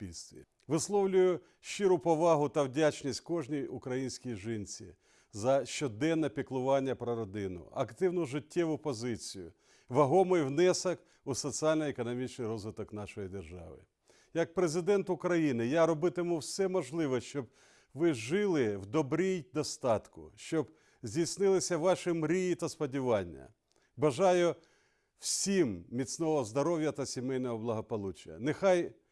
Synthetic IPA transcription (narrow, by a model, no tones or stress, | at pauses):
pʲilʲst̪ʋʲḭ | ʋɪslˠɔwlʲʊjʊ | ʃɪɾʊpɔʋɑɦʊt̪ɐwdʲat͡ʃnʲisʲt̚ʲkɔʒnʲiukɾɐjinʲsʲkʲijʒɪnʲt͡sʲḭ | zɐʃt͡ʃɔd̪ɛnːɛpʲiklˠʊʋɑnʲːɐpɾɔɾɔd̪ɪnʊ̰ɐkt̪ɪwnʊʒɪtʲːɛʋʊpɔzɪt͡sʲijʊ̰ | ʋɐɦɔmɔjwnɛsɐk | usɔt͡sʲiɑlʲnɔekɔnɔmʲit͡ʃnɪjɾɔzʋɪt̪ɔknɑʃɔjid̪erʒɑ̰ʋɪ̰ | jɐk̚pɾezɪd̪ɛnt̪ʊkɾɐjinɪjaɾɔbɪt̪ɪmuwsɛmɔʒlˠɪʋɔʃt͡ʃɔb̚ | ʋɪʒɪlˠɪwd̪ɔbɾʲijd̪ɔst̪ɑt̪kʊʃt͡ʃɔb | zʲdʲijsʲnɪlˠɪsʲɐʋɑʃɪmɾʲijit̪ɐspɔdʲiʋɑnʲːɐ̰ | bɐʒɑjʊ | w̥sʲimmʲit͡s̪ʲnɔɦɔzd̪ɔɾɔwʲjɐt̪ɐsʲimɛjnɔɦɔblˠɐɦɔpɔlˠut͡ʃɐ̰nexɑj